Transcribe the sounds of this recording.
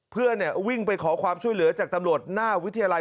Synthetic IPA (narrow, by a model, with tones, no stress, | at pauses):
pʰɯ˥˩əni˥˩əwi˥˩ŋpa˧jkʰɔː˩˦kʰwaː˧mt͡ɕʰu˥˩əjlɯ˩˦ɐt͡ɕaː˨˩k̚t̪a˧mɾu˨˩ət̪̚naː˥˩wi˦˥t̪ʰːa˧jaː˧la˧